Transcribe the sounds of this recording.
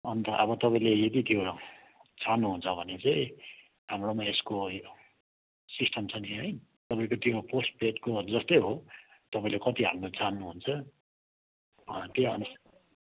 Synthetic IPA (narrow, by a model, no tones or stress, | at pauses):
ʌnt̪ʌʔʌbʌt̪ʌpaĩlejed̪it̪jo | t͡sʰanːuɦunt͡sʰʌbʱʌnet͡sʌĩ | ɦamromaesko | sisʈʰʌmt͡sʰʌniɦʌjt̪ʌpaĩkot̪joposʈ̚peʈkod͡zʌst̪ʌjɦot̪ʌpãĩlekʌt̪iɦamrot͡sanːuɦunt͡sʰʌ | ʌt̪jeʌnus